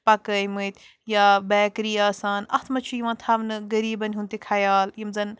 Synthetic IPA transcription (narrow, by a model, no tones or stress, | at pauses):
pɐkɐjmuit̪ | jaːbɛːkɾiːaːsaːnɐ̰t̪ʰmɐt͡ʃʰujiʋãːt̪ʰaːʋnɨɡɐɾiːbɐnʲɦũnt̪ekʰɐjaːljimzɐn